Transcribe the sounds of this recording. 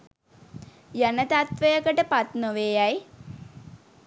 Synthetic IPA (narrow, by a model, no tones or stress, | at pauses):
jɐnɐt̪at̪ʋɐjɐkəʈəpat̪noʋejaj